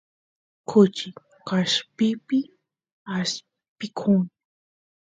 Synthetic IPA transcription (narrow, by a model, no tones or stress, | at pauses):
kʰʊt͡ʃɪ | kaʃpɪpɪ | as | pɪkʰʊŋ